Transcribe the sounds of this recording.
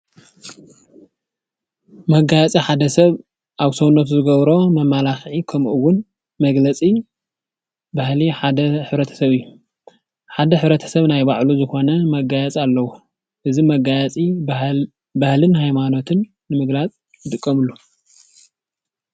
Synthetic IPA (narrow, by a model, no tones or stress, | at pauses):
mɐɡajɛt͡sʼiħad̪ɐsɐβ | ʔaβsownot̪zɨɡɐβɾo̞mɐmalaxʕikʰɐmʔuwʊn | mɐɡlɐt͡sʼi | bahliħad̪ɐħɨβɾɐt̪ʰɐ̥sɐβɨjːu | ħad̪ɐħɨβɾɐt̪ʰɐ̥sɐβnajbaʕluzɨxo̞nɐmɐɡajɛt͡sʼalːɐwu | ʔɨzimɐɡajɛt͡sʼi | bahlɨnhajmano̞t̪ʰɨnːɨmɨɡlat͡sʼ | jɨt̪ʼɨkʼːɐmɨlːu